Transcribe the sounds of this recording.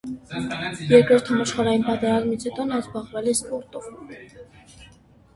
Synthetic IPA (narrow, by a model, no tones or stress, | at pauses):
jɛɾkɾɔɾt̪ʰhɑmɑʃχɑɾɑjinpɑt̪ɛɾɑzmit͡sʰhɛt̪ɔnɑzbɑʁvɛlɛspɔɾt̪um